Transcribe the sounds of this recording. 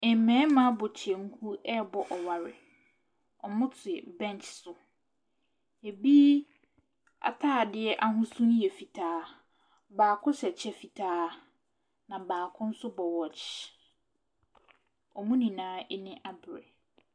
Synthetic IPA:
ɪ˨m˨mɛ̃ː˨˦mã˦bʊ˨t͡ɕʰɪ˨ɛ˨ŋ̩˦kʰu˦ɛ˦˨bɔ˨ʔɔ˨wa˨ɾɪ̰˨ | ɔ˨mʊ̃˦tʰɪ˨bɛ̃˦n˨t͡ʃsʊ˨ | e˨bi˦ | a̰˨tʰaː˦˨dɪ˦ɛ˦ʔa˦ɦʊ̃˦sũ˦n˦jɛ˨fi˨tʰaː˦ | baː˨kʰʊ˦sɛ˨t͡ɕʰɛ˦fi˨tʰaː˦ | nã˨baː˨kʰʊ̃˦n̩˦sʊ˦bɔ˨wɔ˨t͡ʃ | ɔ˨mũ˦nĩ˨nãː˦ɛ˦nɪ̃˦ʔa˦bɪ˨ɾɛ̰˨

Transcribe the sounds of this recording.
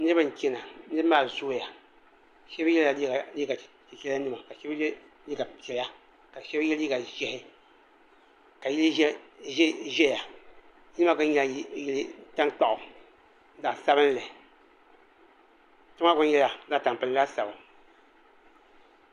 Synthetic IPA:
nɨ˦bɨ˦ŋ̩˨kʲi˦na˨˦nɨ˦maː˨zu˦˨ja˨ | ʃɛ˦bjɛ˦la˨˦a˨li˦ɡa˨ | tɛ˨kɛ˦la˦nɨ˦ma˨ka˨ʃɛ˦b | li˦ɡa˨pɛ˨la˦ | ka˨ʃɛ˦bjɛ˦li˦ɡa˨ʒɛ˨hɪ˦ | ka˨ji˦l | ʒɛ˦ja˨ | ji˦lɨ˦ma˦ka˦ɲɛ˦˨˦ji˦lɨ˦ta˦ŋ˦k͡pa˦ʔʊ˨˦ | za˨sa˦bɨ˦n˦lɨ˨ | tʊ˦ma˦ɡʊ˦n˦jɛ˦la˨˦za˨ta˨m˨pɨ˨n˨la˦sa˨ba˨

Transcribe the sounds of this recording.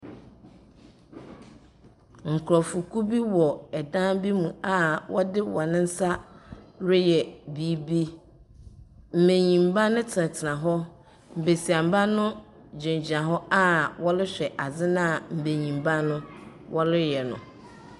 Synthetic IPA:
ŋ̩˨kʰɾɔ˨fu˨kʰu˦bi˦wɔ˨ɛ˨dãː˦bi˦mũ˨a˨wɔ˦dɪ˦wɔ˨nɪ̃˦n̩˦sa˦ɾʊ˦jɛ˨bi˦bi˦ | m̩˨mẽ˨ɲĩ˨m˨˦ba˦nʊ̃˦tʰɪ˨nã˨tʰɪ˨nã˨ɦɔ˦ | m̩˨be˨si˨a˨m̩˨ba˦nʊ̃˦ | d͡ʑɪ̃˨n˨d͡ʑɪ˨nã˨ɦɔ˦a˦wɔ˦lɪ˦ɕᶣɛ˨ʔa˨d͡zɪ˦nã˦˨m̩˨be˨ɲĩ˨m˨ba˦nʊ̃˦ | wɔ˦lɪ˦jɛ˨nʊ̰̃˨

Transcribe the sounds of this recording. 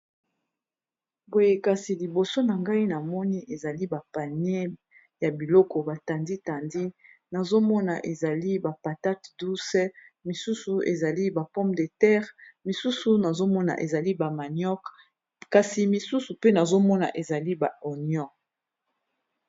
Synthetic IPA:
bo˨je˨ka˨si˨li˨bo˨so˦na˨ŋɡa˦i˦na˨mɔ˦ni˦ʔe˨za˨li˦ba˨pa˨ne˦ | ja˨bi˨lɔ˦kɔ˨ba˨ta˨ndi˦ta˨ndi˦na˨zo˦mɔ˦na˨ʔe˨za˨li˦ba˨pa˨ta˦tdu˦sɛ˦mi˨su˦su˨ḛ˨za˨li˦ba˨pɔ̃˦mbde˨tɛ˦ʁmi˨su˦su˨na˨zo˦mɔ˦na̰˨ʔḛ˨za˨li˦ba˨ma˨njɔ˦k | ka˨si˨mi˨su˦su˨pe˦na˨zo˦mɔ˦na̰˨ʔe˨za˨li˦ba˨o˨njɔ̃˦

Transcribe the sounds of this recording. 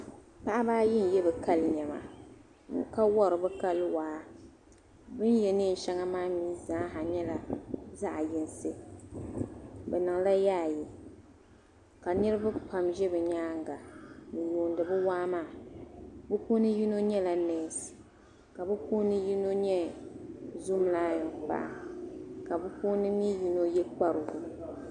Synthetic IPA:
pa˦ʔa˦baː˦jɪ˦n̩˨jɛ˦bɨ˨ka˦lɲɛ˨ma̰˨ | ŋ̩˨˦ka˦wɔ˦ɾɨ˨bɨ˦ka˦lwaː˨˦ | bɨ˦n˦jɛ˨nɨ˦n̩˨ʃɛ˦ŋa˦maː˦miː˦zãː˨˦ɦa˨ɲɛ˦la˨za˦ʔa˨jɪ˨n˦sɨ˦ | bɛ˨nɨ˨ŋ˨la˦jaː˦˨ji˨ | ka˨nɨ˦ɾɨ˦ba˦pa˨mʒɛ˦bɛ˨ɲaː˦ŋɡa˨nɨ˨juː˨ndɨ˨bɨ˦waː˦maː˦˨ | bɨ˦poː˦nɨ˦ji˦no˦ɲɛ˦la˨nɛː˦s | ka˨bɨ˦poː˦nɨ˦ji˦no˦ɲɛ˦ | zu˦m˦la˦jɨ˨ŋpa̰˦ʔa̰˨ka˨bɨ˦po˦nɨ˦ni˦ji˦no˦jɛ˦k͡pa˦ɾɨ˨ɡʊ˨

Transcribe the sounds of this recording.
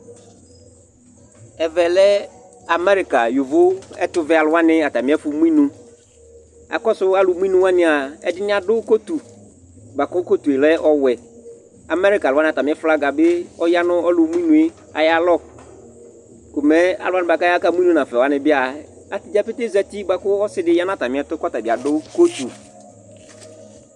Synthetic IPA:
ɛ˨vɛ˨lɛ˦ | a˨mɛ˦ɾi˨ka˨ju˨vʊ˦ɛ˦t̪ʊ˨vɛ˨a˨lʊ˨˦a˦nɪ̃˦a˨t̪a˨mɪ̃˨˦ɛ˦fʊ˨mũ˦ĩ˦nũ˦ | a̰˨kɔ˦sʊ˦a˦lʊ˨˦mũ˦ĩ˦nũ˦wa˦nɪ̃˦a˨ɛ̰˨dɪ˦nɪ̃˦a˨dʊ˦ko˦t̪u˨ | ba˨kɔ˦ko˦t̪u˨e˨lɛ˦ʔɔ˦wɛ˨ | a˨mɛ˦ɾi˦ka˨la˦nɪ̃˨ta˨mɪ̃˨˦ɛ˦fla˦ɡa˨bɪ˦ɔ˦ja˦nʊ̃˦ɔ˦lʊ˨˦m˦ĩ˦nũ˨e˦ | a̰˨ja˦˨lɔ˦ | kʊ˨mɛ˦a̰˨lʊ˨˦a˦nɪ̃˦ba˨ka˦ja˦ka˦mũ˦ĩ˦nũ˦nã˨fɛ˨a˦nɪ̃˨bɪ˦a˨ | a˨tɪ˨d͡ʒa˦pe˦t̪e˦za˨ti˦ba˨kʊ˦ɔ˦sɪ˦dɪ˦ja˦nʊ̃˦a˦˨ta˨mɪ̃˨˦ɛ˦tʊ˦kɔ˦ta˨bi˨a˨dʊ˦ko˦t̪u˨

